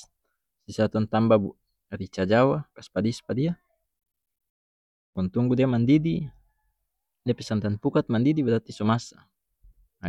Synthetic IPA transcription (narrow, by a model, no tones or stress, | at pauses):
sisat̪ɔnt̪ambabu | ɾit͡ʃad͡ʒawakaspadispadia | pɔnt̪uŋɡudiamandidi | diapɛsant̪anpukat̪̚mandidibadat̪isɔmasa